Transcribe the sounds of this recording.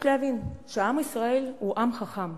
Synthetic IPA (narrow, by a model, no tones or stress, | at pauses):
lavinʃeamisʁaeluʔamχaχam